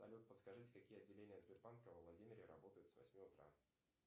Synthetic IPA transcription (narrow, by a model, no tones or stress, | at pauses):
sɐ̰lʲut̪̚pət̪skɐʐɨtʲkɐkʲijəɐdʲːɪlʲenʲɪjəzbʲɪrpankəvəvlˠɐdʲimʲɪɾʲɪɾɐ̰bo̞t̪əjʊt̪svɐ̰sʲmʲiʊt̪ɾa̰